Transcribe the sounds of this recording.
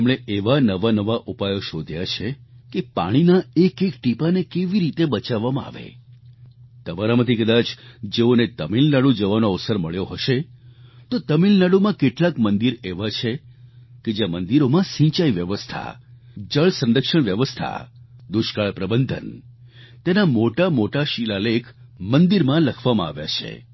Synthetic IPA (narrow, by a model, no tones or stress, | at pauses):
mɽ̃eeʋanəʋanəʋaʔupajoʃod̪ʱjat͡ʃʰekepa̰ɽ̃inaekekʈipanekeʋiɾit̪ebət͡ʃaʋːamãa̰ʋḛ | t̪əmaɾamət̪ʰikəd̪at͡ʃd͡ʒeonet̪əmilnaɽũd͡ʒəʋanoəʋsəɾməɭjoɦəʃet̪ot̪əmilnaɽumãkeʈlakmənd̪iɾeʋat͡ʃʰeked͡ʒjamənd̪iɾomãsĩɲt͡ʃaiʋjəʋəst̪ʰa̰d͡ʒəɭsə̃nɾəkʃəɳ̃ʋjəʋəst̪ʰa̰d̪uʃkaɭpɾəbənd̪ʱə̰n | t̪enamoʈamoʈaʃilalekʰ | mənd̪iɾmãləkʰʋamãa̰ʋja̰t͡ʃʰḛ